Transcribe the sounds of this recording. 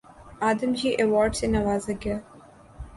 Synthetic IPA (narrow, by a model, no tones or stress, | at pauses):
aːd̪əmd͡ʒiːʔeʋɔːɾɖsenɐʋaːzɐɡa